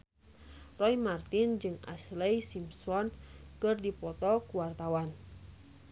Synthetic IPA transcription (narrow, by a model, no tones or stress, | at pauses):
rɔjmart̪ind͡ʒɨŋa̰slɛjsimsɔnkɨrdipɔt̪ɔkuwart̪awan